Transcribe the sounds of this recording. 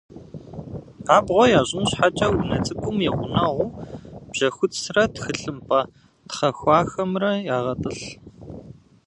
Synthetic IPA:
aːbʁʷɔjaːʑʼɪmɕħat͡ʃʼɐwunɐt͡sʼɨkʷʼʊmjɛʁʷʊnɐʁʷʊːb̥ʒ̥ɐxʷʊt͡ssrɐtxɨɬɨmpʰʼɐ | tχɐxʷɑːxɐmrɐjaːʁɐtʼɨɬ

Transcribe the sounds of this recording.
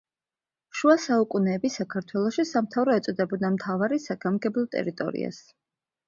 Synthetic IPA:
ʃuasaukʼunɛːbisakʰaɾt̪ʰwɛlˠɔʃisamt̪ʰavɾɔɛt̪sʼɔd̪ɛbɔd̪amt̪ʰavaɾisaɡ̥amɡɛblˠɔt̪ʼɛ̰ɾit̪ʼɔ̰ɾḭa̰s

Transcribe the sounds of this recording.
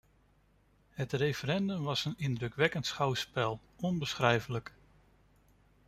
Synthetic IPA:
ɦətrejfəɾɛndɵmʋɑsənɪndɾɵkʋɛkəntsχawspɛlˠ | ɔnbəsχrɛjvələk

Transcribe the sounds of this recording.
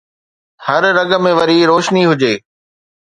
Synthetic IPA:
hɐɾɾɐɡə̆mẽʋɐɾiɾoːʃniɦʊd͡ʑeː

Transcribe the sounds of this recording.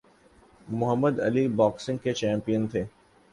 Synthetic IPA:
mʊɦəmːəd̪ɐ̰libɔːksɪ̃ŋɡket͡ʃɛ̃ːmpijənt̪ʰeː

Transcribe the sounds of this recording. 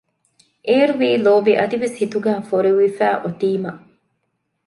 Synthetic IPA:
ʔeːɾuʋiːloːbiʔɐd̪iʋeshit̪uɡæːfoɾeʋifæːʔot̪iːmɐʔ

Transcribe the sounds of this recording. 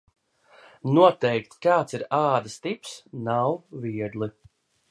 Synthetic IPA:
nuɔt̪ɛjkt̪kaːt̪siɾaːd̪ast̪ipsnawviɛd̪lˠi

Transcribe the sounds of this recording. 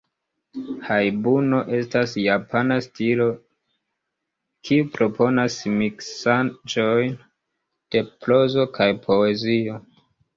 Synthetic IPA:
hajbuno̞ʔe̞stasjapʰanastilo̞ | kʰiupɾo̞pʰo̞nasmiksand͡ʒo̞jn | d̥e̞plo̞zo̞kʰajpʰo̞e̞zio̞

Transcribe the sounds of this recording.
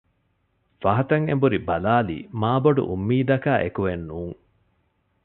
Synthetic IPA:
fɐɦɐt̪ɐŋḛmbuɾibɐlaːlḭːmaːboɖṵʔumːiːd̪ɐkaːʔekuʋenːuːŋ

